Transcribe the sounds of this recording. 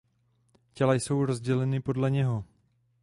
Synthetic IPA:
cɛlajso̞wɾo̞zɟɛlɛnɪpo̞dlɛɲɛɦo̞

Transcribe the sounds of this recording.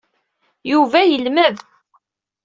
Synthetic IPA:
juvæjəlməð

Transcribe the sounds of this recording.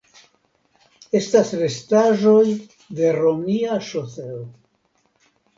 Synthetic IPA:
e̞stasɾe̞staʒo̞j | de̞ɾomiaʃose

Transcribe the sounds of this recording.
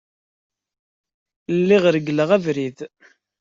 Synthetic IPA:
lːiʁɾəɡləʁævɾið

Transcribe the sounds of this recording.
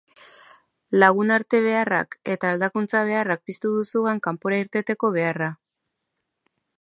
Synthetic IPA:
laɣ̞unaɾt̪e̞β̞e̞ara̰ke̞t̪aːld̪akunt͡saβ̞e̞arak̚pist̪uðusuɣaŋkampoɾaiɾt̪e̞t̪e̞ko̞β̞e̞ara

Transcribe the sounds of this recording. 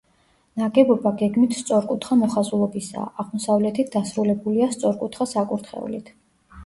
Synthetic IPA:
naɡɛbɔbaɡɛɡmit̪ʰst̪sʼɔɾkʼut̪ʰχamɔχazulˠɔbisa̰ːʁmɔsavlɛt̪ʰit̪̚ʰd̪asɾulɛbuliast̪sʼɔɾkʼut̪ʰχasakʼuɾt̪ʰχɛ̰ṵlḭt̪ʰ

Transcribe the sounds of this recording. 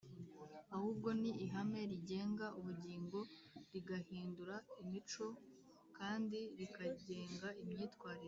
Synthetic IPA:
ahuːb̚ɡo̞niːɦame̞ɾiɟe̞ːŋɡaʔuβuɟiːŋɡo̞ | ɾiɡahiːnduɾaimit͡ʃo̞ | kaːndiɾikaɟe̞ːŋɡaimɲiːtkwaːɾiɾo

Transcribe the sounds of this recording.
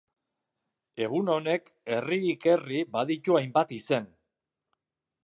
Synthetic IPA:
e̞ɣ̞uno̞ne̞ke̞riːke̞ribaðit̪uajmbat̪ise̞n

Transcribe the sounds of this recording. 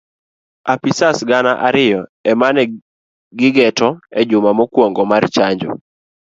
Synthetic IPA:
apisasɡanaʔaɾɪjɔɛmanɛ | ɡɪɡɛtɔɛd͡ʒʊmamɔkwoŋɡɔmart͡ʃaɲd͡ʒɔ̰

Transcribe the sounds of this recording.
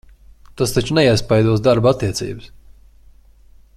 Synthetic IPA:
t̪ast̪at͡ʃunɛiɛspajd̪uɔsd̪aɾbat̪ːiɛt̪sḭːbɨs

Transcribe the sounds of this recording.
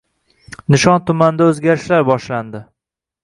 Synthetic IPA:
nɪʃɒnt̪ʰʊmand̪aɵzɡʲaɾɪʃlaɾbɒʃland̪ɪ

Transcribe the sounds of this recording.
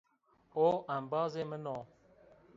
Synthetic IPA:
oʔambɑːzemənoː

